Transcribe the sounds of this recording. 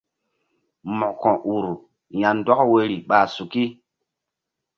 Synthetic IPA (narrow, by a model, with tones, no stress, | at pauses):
mɔ̃˨kɔ̃˨ʔu˨ɾ | ja˨ndwa˦kwe˦ɾi˨ɓa˨su˨ki˦